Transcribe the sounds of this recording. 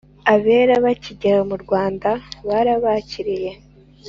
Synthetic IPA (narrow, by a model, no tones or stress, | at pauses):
aβe̞ːɾaβaciɟaɾamuɾɡwaːndaβaɾaβaciɾije̞